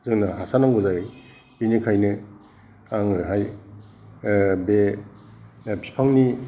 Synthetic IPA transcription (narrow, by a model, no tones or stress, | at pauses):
zɯŋnaɦasanaŋɡɔza | binikʰajnɯ | aŋɯɾɦaj | be | pʰi̥pʰaŋni